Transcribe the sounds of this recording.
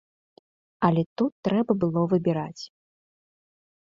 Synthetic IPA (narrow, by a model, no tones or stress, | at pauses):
ɐlʲɛt̪ut̪ːɾɛbɐbɨlˠɔvɨbʲiɾat͡sʲ